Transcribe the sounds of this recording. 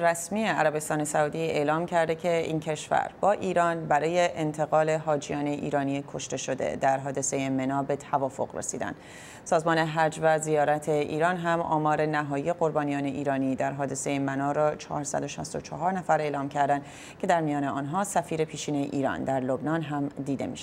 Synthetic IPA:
ɾæsmieæɾæbe̞st̪ɒːne̞sæuːd̪ie̞ːlɒːmcʰæɾd̪e̞cʰe̞ʔiːncʰe̞ʃfæ̰ɾbɒːʔiːɾɒːnbæɾɒːje̞ʔent̪ʰeɣɒːle̞ɦɒːd͡ʒijɒːne̞ʔḭːɾɒːnikʰo̞ʃt̪e̞ʃo̞d̪e̞̰d̪æɾɦɒːd̪e̞se̞jemenɒːbe̞t̪ʰævɒːfo̞̰ɣrḛsḭːd̪æ̰nd̪̥ | sɒːzmɒːne̞ɦæd͡ʒvæzijɒːɾæt̪ʰe̞ʔḭːɾɒːnɦæmʔɒ̰ːmɒːɾe̞næɦɒːjije̞ɣoɾbɒːnijɒːne̞ʔiːɾɒːnid̪æɾɦɒːd̪e̞se̞jemænɒːɾɒːt͡ʃʰɒ̰ːɾsæ̰d̪o̞ʃæst̪o̞t͡ʃʰɒɦɒːɾnæfæɾe̞ːlɒːmcʰæɾd̪ænd̪ | cʰe̞d̪æɾmijɒːneɒːnɦɒːsæfiːɾe̞pʰiːʃiːnejḛʔiːɾɒ̰nd̪æɾlo̞bnɒːnɦæmd̪iːd̪e̞̰miʃ

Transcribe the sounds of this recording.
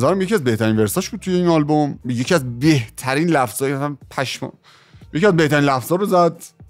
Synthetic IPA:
zæɾæmjecʰiæzbe̞ht̪ʰæɾinveɾsɒːʃb̥ud̪̚t̪ʰujeinɒlbomjecʰiæzbe̞ht̪ʰæɾiːnlæfz̥ɒːjæsænpʰæʃm̰ | jeciæzbe̞ht̪ʰæɾiːnlæfz̥ɒːɾozæd̪

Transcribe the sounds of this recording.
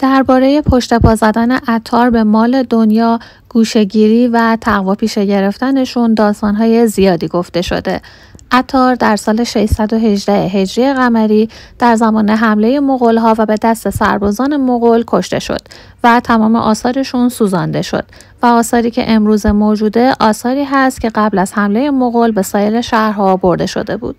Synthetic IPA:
d̪̥æɾbɒːɾe̞je̞pʰo̞ʃt̪e̞pʰɒːzæd̪æne̞̰ʔæt̪ʰːɒːɾbe̞mɒːle̞d̪o̞njɒː | ɡ̥uːʃe̞ɟiːɾiːvæt̪ʰæɣvɒːpʰiːʃe̞ɟe̞ɾe̞ft̪æne̞ʃund̪ɒːst̪ɒːnɦɒːje̞zijɒːd̪iːɡo̞ft̪e̞ʃo̞̰d̪e̞̰ | ʔæt̪ʰːɒːɾd̪æɾsɒːle̞ʃe̞ʃsæd̪o̞ɦe̞ʒd̪æheɦe̞d͡ʒɾijeɣæmæɾiːd̪̥æɾzæmɒːne̞ɦæmle̞je̞moɣolɦɒːvæbe̞d̪æst̪e̞sæ̰ɾbɒːzɒːne̞moɣolkʰo̞ʃt̪e̞̰ʃo̰d̪̥ | væt̪ʰæmɒːmeʔɒːsɒːɾe̞ʃunsuːzɒnd̪e̞ʃo̰d̪̥ | væɒːsɒːɾiːcʰe̞̰ʔemɾuːzemoːd͡ʒuːd̪e̞ʔɒːsɒːɾiːɦæst̪̚cʲʰe̞ɣæblæz̥hæmle̞je̞moɣolbe̞sɒːjeɾe̞ʃæhɾhɒːboɾd̪e̞ʃo̞̰d̪e̞bṵːd̪̥̚

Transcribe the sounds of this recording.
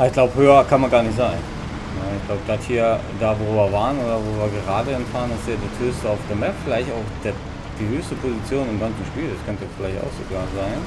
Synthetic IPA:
ʔaɪçɡ̥laʊbhøːɐkʰanmanɡaːɐnɪçtz̥aɪn | naɪçɡ̥laʊbəd̥athiːɐdaːvoːviːɐvaːʁənoːdɐvoːviːɐɡəʁaːdəɛmtfaːʁənɪstiːɐdasthøːstəaʊfd̥eːɐmɛpfɪlaɪçtaʊxd̥e | d̥iːhøːçstəpʰozit͡sjoːnɪmɡant͡sn̩ʃpiːldaskʰœntəfɪlaɪçta̰ʊxz̥oɡaːɐzaɪn

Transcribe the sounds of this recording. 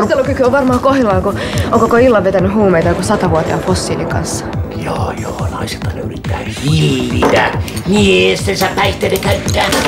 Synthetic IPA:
elːokykyoʋʋɑrmɑːkohilɑːkooŋkokoilːɑʋʋet̪ænːyhuːmeit̪ɑjkosɑt̪ɑʋuɑt̪iɑ̰fosːiːlːiŋkɑ̰nsːɑ̥joːjo̰ːnɑ̰iset̪ːɑnḛyrit̪ːæ̰ː | hiʋḭt̪æ̰hiest̪ensæppæit̪ːelːekæyt̪ːæː

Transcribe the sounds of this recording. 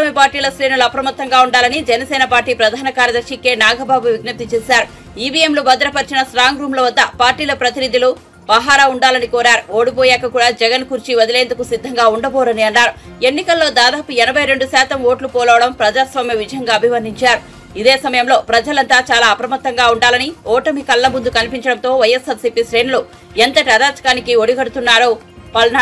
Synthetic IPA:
ɐmipaːɾʈiːlɐsɾiːnɐluɐpɾɐmɐt̪ːɐŋɡaːuɳɖaːlɐnid͡ʒɛnɐsɛːnɐpaːɾʈːiːpɾɐd̪ʱaːnɐkaːɾjɐd̪ɐɾʂikeːnaːɡʱɐbaːbuʋiɡnɐp̚t̪it͡ʃɛːsaːɾu | iːbiemlubɐd̪ɾɐpɐɾt͡ʃinɐsɾaːŋɡɾuːmlɐʋɐd̪ːɐpaːɾʈiːlɐpɾɐt̪inid̪ilu | ʋaːɦaːɾauɳɖaːlɐnikɔːɾaːɾuo̞ːɽipɔːjɛːkɐkuːɽaːd͡ʒɛɡɐnkuɾt͡ʃiʋɐd̪ileːnd̪ukusid̪ʱːɐŋɡaːuɳɖɐbɔːɾɐniɐnːaːɾu | e̞nːikɐlːo̞ːd̪aːd̪aːpuɛnɐbʱɐjɾe̞ɳɖusaːt̪ɐmoːʈlupɔːlɐːʋɐɽɐmpɾɐd͡ʒaːsʋaːmjɐʋid͡ʒɐjɐŋɡaːɐbʱimɐnd̪iɲt͡ʃaːɾu | id̪e̞ːsɐmɐjɐmlo̞ːpɾɐd͡ʒɐlɐnt̪aːt͡ʃaːlaːɐpɐɾɐmɐt̪ːɐŋɡaːuɳɖaːlɐniɔːʈɐmikɐlːɐmund̪ukɐnipiɲt͡ʃɐɽɐnt̪o̞ːʋɐjɐsɐɾsiːpiːsɾeːnulu | ent̪ɐʈɐd̪aːt͡ʃɐ̥kaːnikioɽiɡɐɽut̪unːaːɾoː | pɐlna

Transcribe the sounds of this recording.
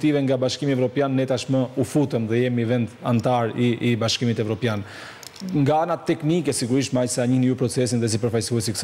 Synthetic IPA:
t̪ivɛŋɡabaʃkimiɛvɾɔpjanːɛt̪aʃməufut̪ɛmðɛjɛmivɛnd̪ant̪aɾiːbaʃkimit̪ɛvɾɔpjan | ŋɡaanat̪ːɛknikɛsiɡuɾiʃmajsɛaɲihnijupɾɔt͡sɛsinðɛs̬ipəɾfajsuɛsiks

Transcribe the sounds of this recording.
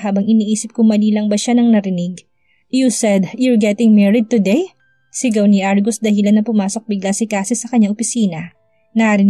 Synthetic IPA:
ɦaːbɐŋɪniːʔiːsɪp̚kʊŋmɐliːlɐŋbɐʃanɐŋnɐɾɪnɪɡ | jusɛd̪juɹɡɛt̪ɪŋmɛɹɪd̪̚t̪ʊd̪ɛj | sɪɡɐwniʔaɹɡʊsd̪ɐhɪlanːɐpʊmaːso̞k̚bɪɡlasɪkaːsɪsɐkɐɲːaŋʔopɪsiːnɐ | nɐʔɾɪn

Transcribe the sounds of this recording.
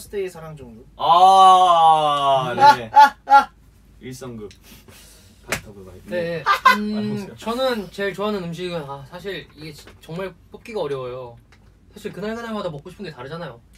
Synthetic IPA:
sʰɯ̥tʰeesʰaɾaŋd͡ʑʌŋdoa | nee | iɭs͈ʌŋɡɯm̚ | katʰaɡoɡane̞ | t͡ɕʌnɯnt͡ɕe̞ɭt͡ɕoɦanɯnɯmɕ̬ʰiɡɯnasʰaɕʰiɭiɡe̞t͡ɕt͡ɕʌŋmaɭp͈ok͈iɡaʌɾjʌwjo | sʰaɕʰiɭkɯnaɭsʰaɾaɭmadamʌk͈oɕʰipʰɯndɡetaɾɯd͡ʑanajo

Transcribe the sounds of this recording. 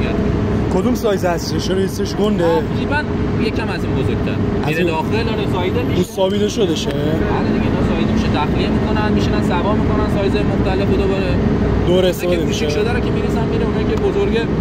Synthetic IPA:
æɾkʰod̪umsɒːjzeæseʃeɾist̪eʃɡond̪ed͡ʒibænjekʰæmæzinbozoɡ̥̚t̪ʰæ̰ɾæzid̪ɒːxelɒɾesɒːjid̪emiusːɒːbid̪eʃod̪eʃebæled̪iɟenɒsɒːjizemiʃet̪ʰæxliemikonænmiʃinænsævɒːɾmikonænsɒːjzemoxt̪ʰælefod̪ɒbɒɾe | d̪oːɾeest̪ːefɒːd̪emiʃeʃod̪æɾokʲʰemiɾisænmiɾeunɒikʲebozoɾɡe

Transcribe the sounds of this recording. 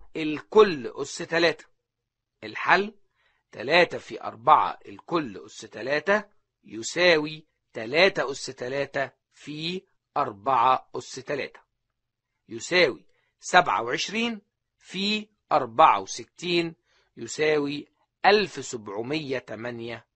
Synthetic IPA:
ʔɪlkʊlːʔʊsːt̪ælæːt̪æ̥ | ʔɪlħalː | t̪ælæːt̪æfiʔɑ̰ɾˤbɑʕɑ̰ʔɪlkʊlːʔʊsːt̪ælæːt̪æ | jʊsæːwi | t̪ælæːt̪æʔʊsːt̪ælæːt̪æ | fiː | ʔɑɾˤbɑʕɑʔʊsːt̪ælæ̰ːt̪æ̥ | jʊsæːwḭ | sæbʕa̰wʕeʃɾiːn | fi | ʔɑɾˤbɑʕa̰wsɪt̪ːiːn | jʊsæːwi | ʔælfsʊbʕʊmɪjːæt̪æmænjæ

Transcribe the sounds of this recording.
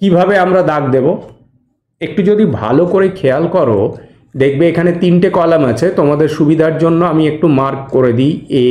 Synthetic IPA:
kibʱabeamɾad̪ak̚d̪ebo | ek̚ʈud͡ʑod̪ibʱa̰lokoɾekʰealkɔɾo̰ | d̪ek̚ʰbeekʰanet̪inʈekɔlamat͡ɕʰet̪omad̪eɾʃubid̪ʱaɾd͡ʑonːoamiek̚ʈumaɾkkoɾed̪ije

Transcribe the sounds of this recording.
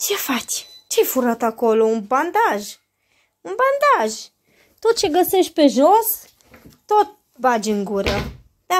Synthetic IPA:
t͡ʃefat͡ʃt͡ʃefuɾat̪akoloumband̪aʒ | umband̪aʒ | t̪ot̪̚t͡ʃeɡəseʃt̪̚peʒos | t̪ot̪̚ | bad͡ʒɨŋɡuɾə | d̪a

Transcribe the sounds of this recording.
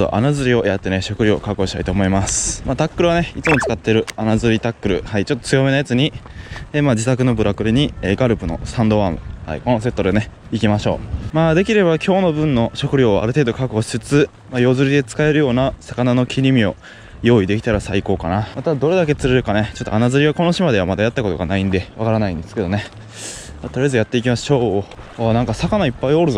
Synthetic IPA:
o̰ʔa̰nazɨɾʲio̞jat̪ːe̞ne̞ɕo̞kɯ̟ɾʲoo̰kakoɕi̥t̪ait̪o̞ːmo̞imasɨ̥maːt̪akːɯ̟ɾɯβane̞it͡sɨmo̞t͡sɨ̥kat̪ːe̞ɾɯ̟anazɨɾʲit̪akːɯ̟ɾɯ̟̰hait͡ɕo̞t̪ːot͡sɨjo̞me̞najat͡sɨɲ̟ieːmaːd͡ʑit̪akɯ̟no̞bɯ̟ɾakɯ̟ɾʲiɲ̟ieɡaɾɯ̟pɯ̟no̞̰sãnd̪o̞βaːmɯ̟̰ha̰ḭkono̞se̞t̪ːod̪ene̞ | ikʲimaɕo̞̰ːmaːd̪e̞kʲiɾe̞bakʲo̞ːno̞bɯ̟̃nːo̞ɕo̞kɯ̟ɾʲo̞ːa̰ɾɯ̟t̪e̞ːd̪o̞kakɯoɕt͡sɨt͡sɨ | majo̞ːzɨɾʲid̪e̞t͡sɨ̥kae̞ɾɯ̟jo̞ːnasakanano̞kʲʰiɾʲimʲio̞̰ | jo̞ːid̪e̞kʲi̥t̪aɾasaiko̞ːkanamat̪ad̪o̞ɾe̞d̪ak̬e̞t͡sɨɾeɾɯ̟kane̞t͡ɕo̞t̪ːo̰anazɨɾiɡako̞noɕimad̪e̞βamad̪ajat̪ːako̞t̪o̞ɡa̰naĩnd̪e̞βakaɾanaĩnd̪e̞sɨ̥ke̞d̪o̞ne | maːt̪o̞ɾʲijaezɨjat̪ːe̞ikʲimasɕo̞ːnãŋkasakanaipːaio̞ɾɯ̟zo

